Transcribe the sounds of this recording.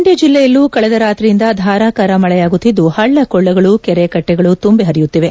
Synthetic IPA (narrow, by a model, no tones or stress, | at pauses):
ɳɖjɐd͡ʒilːɛjɐlːuːkɐɭɛd̪ɐɾaːt̪ɾijind̪ɐd̪ʱaːɾaːkaːɾɐmɐɭɛjaːɡut̪ːid̪ːuhɐɭːɐkɔɭːɐɡɐɭukɛɾekɐʈːɛɡɐɭut̪umbeɦɐɾijut̪ːiʋe̞